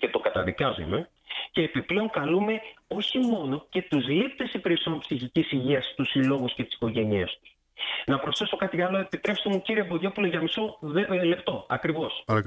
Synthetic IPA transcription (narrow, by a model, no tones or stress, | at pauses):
ce̞t̪o̞kɐt̪ɐðikɐzṵme̞ | ce̞ːpiple̞o̞ŋkɐlume̞o̞çimo̞no̞ce̞t̪uzlipt̪e̞sipeɾiso̞mpsiçicisiʝiɐst̪usilo̞ɣuscet̪i̥si̥ko̞ʝe̞niɐst̪u̥s | nɐpɾo̞sθe̞so̞kɐt̪iɐlo̞e̞pit̪ɾe̞pst̪emuciɾieboʝo̞puloʝɐmiso̞le̞pt̪o̞ɐkɾivo̞s